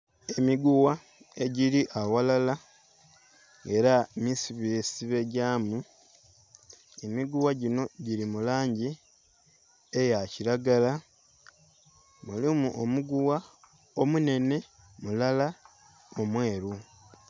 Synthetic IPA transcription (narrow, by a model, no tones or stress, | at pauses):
e̞miɡuwa | e̞ɟiliʔawalala | e̞ɾamisiβisiβe̞ɟaːmu | emiɡuwaɟino̞ɟiɾimulaːɲɟi | ejaciɾaɡala | mulimuʔomuɡuwa | o̞mune̞ne̞ | mulala | omwe̞ːɾu